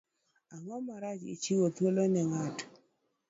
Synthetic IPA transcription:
aŋɔmaɾat͡ʃḭt͡ʃiwot̪wolonɛŋat

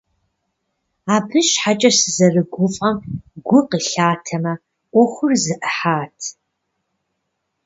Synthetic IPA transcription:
aːbɨʃħat͡ʃʼɐsɨzɐrɨɡʷʊfʼɐmɡʷʊqəɬaːtʰɐmɐ | ʔʷɔxʷʊrzɨʔəħaːtʰ

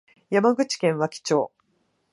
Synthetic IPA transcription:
jamaɡɯ̟t͡ɕi̥kẽ̞ɰ̃βakʲi̥t͡ɕo̞ː

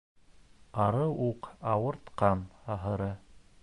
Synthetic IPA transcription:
ɑɾɤʔuqɑwɤ̆ɾt̪qɑnɑɦɤ̆ɾɤ

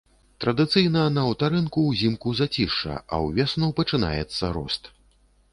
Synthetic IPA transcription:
t̪ɾɐd̪ɨt̪sɨjnɐnɐːwt̪aɾɨnkuwzʲimkuzat͡sʲiʂɐ̰ɐ̰wvʲɛsnɔwpɐt͡ʂɨna̰jɛt̪sːɐɾɔ̰st̪

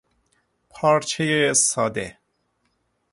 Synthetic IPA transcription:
pʰɑːɾt͡ʃʰejesɑːd̪ḛ

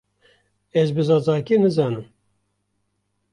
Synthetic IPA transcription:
ɛzbɨzɑːzɑːkinɨzɑːnɨm

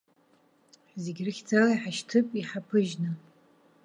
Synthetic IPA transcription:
ħzeɡʲrɨxʲd͡zalaiħaʃtʰɨpʼiħapʰɨʒnɨ

